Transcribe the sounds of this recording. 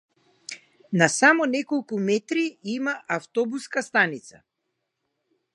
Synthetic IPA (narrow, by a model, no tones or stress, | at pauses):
nasamɔnɛkɔlˠkumɛt̪ɾiimaʔaft̪ɔbuskast̪anit̪sa